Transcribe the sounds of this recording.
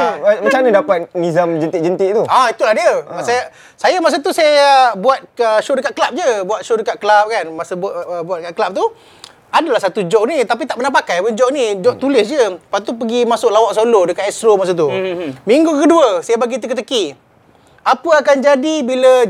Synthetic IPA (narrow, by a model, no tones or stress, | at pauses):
mat͡ʃamnidapat̪̚nizamd͡ʒənt̪ɪʔd͡ʒənt̪ɪʔt̪uait̪ulahdiəsaja | sajamas̬at̪usajabuat̪̚əʃodəkat̪̚klap̚d͡ʒəbuat̪̚ʃodəkat̪̚kəlap̚kanmasəbʔəbuat̪̚kaʔ̪̚klap̚t̪u | adalahsat̪ud͡ʒɔʔnit̪ap̬it̪aʔmənapakajpənd͡ʒɔʔnid͡ʒɔʔt̪ulɪsd͡ʒəpat̪upəɡimasʊklawaʔsolodəkat̪ɛst̪ɾomas̬at̪̬umiŋɡukəduəsajabaɡit̪̬əkət̪̬əki | apəakand͡ʒadibilə